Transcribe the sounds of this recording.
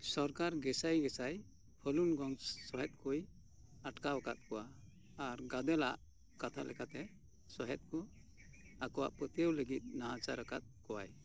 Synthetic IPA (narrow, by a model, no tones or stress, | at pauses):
sɔɾkaɾɡɛsajɡɛsaj | pʰəlunɡɔŋsɔɦɛt̪̚ˀkɔj | aʈkawakat̪̚kɔwaː | ɾɡad̪ɛlaʔ | kat̪ʰalʔɛ̰kat̪ɛ | sɔɦɛt̪̚kɔ | akɔwa̰ʔpət̪jəwləɡit̪̚ˀnaɦat͡ʃaɾakat̪̚kɔwaj